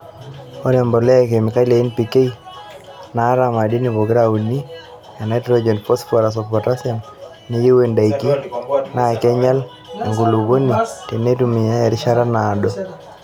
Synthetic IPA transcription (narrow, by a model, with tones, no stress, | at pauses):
ɔ˦ɾɛ˨mbɔ˨lɛ˦a˨k̬e˨mi˨ka˦le˨i˦npi˨ke˦i | na˨˦ɾa˨ma˨di˦nibo˨ɡɪ˦ɾawu˨ni˦ | a˨na˨tɾo˦d͡ʒɔ˨npɔ˦spa˨ɾa˨s̬ɔpɔ˨ta˦sja˨m | ni˦ji˦we˦nda˨i˨ki˦na˦˨kɛ˦ɲa˦l | a˨ŋɡu˨lu˨ɡo˦ni˨te˨ne˦tu˦mi˨ja˦ɛ˨ɾɪ˦ʃa˦ɾa˦naː˨dɔ˦